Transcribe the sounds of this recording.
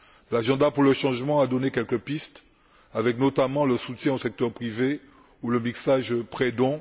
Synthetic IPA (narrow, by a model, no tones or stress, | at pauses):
laʒɑ̃d̪apuʁləʃɑ̃ʒmɑ̃ad̪ɔnekʲɛlkəpist̪ | avɛknot̪amɑ̃ləsut̪jɛ̃osɛk̚t̪œʁpχive | uləmiksaʒpχed̪ɔ̃